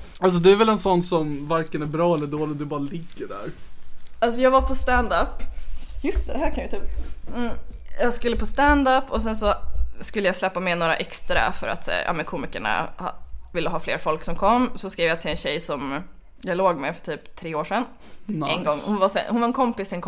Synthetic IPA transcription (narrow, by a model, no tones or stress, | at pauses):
als̬ɔd̪ɵæɾvɛlɛnsɔnːsɔmvaɾkənæɾbɾɑːɛlːɛd̪oːlɪd̪ɵbɑːɾalɪɡːəɖæ̰ɾ | als̬ɔjɑːɡvapʰɔst̪and̪apːjɵst̪ʰɛd̪ɛɦæːɾkʰanjat̪yːp̩ː | jɑɡskɵlːəpʰɔst̪and̪apːɔs̬ɛnsɔskʉlːəjaslɛpːamɛnoːɾa̰ʔɛkst̪ɾa̰fœ̰ɾa̰t̪ɑ̰ːmɛnkʰuːmɪkɛɳa̰hvɪlːəɦɑːflḛːɾfɔlksɔmkʰɔmːsɔskɾeːvjat̪ʰɪlɛnɕɛjsɔm | jaɡloːɡmefœ̥ʈʰyːpt̪ʰːɾeːoːʂɛnː | ɛnɡɔŋːhʊnvasɛ̰hʊnvaɾɛnkʰɔmpɪsɛnkʰ